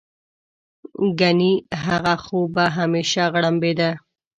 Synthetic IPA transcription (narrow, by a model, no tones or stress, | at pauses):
ɡaniɦaɣaxobaɦameʃaɣɽambed̪a